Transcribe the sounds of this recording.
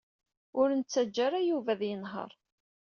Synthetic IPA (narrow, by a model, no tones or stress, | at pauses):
ʊɾənt͡sːæd͡ʒːaɾæjuvæðjənɦə̰ɾˤ